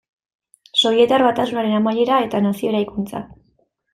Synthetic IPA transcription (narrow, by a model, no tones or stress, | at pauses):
so̞jie̞t̪arβat̪asunaɾe̞namaʎe̞ɾae̞t̪anasio̞eɾajkunt͡sa̰